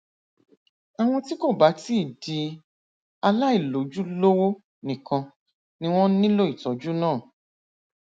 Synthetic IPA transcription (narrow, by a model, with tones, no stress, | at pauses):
a˨w̃ɔ̃˧ti˦ko˦˨ba˨˦ti˦i˦˨di˧ | a˧la˦i˦˨lo˨˦d͡ʒu˦lo˦wo˦ | nĩ˨kã˧ | nĩ˦w̃ɔ̃˦nĩ˦lo˦i˦˨tɔ˨˦d͡ʒu˦nãː˦˨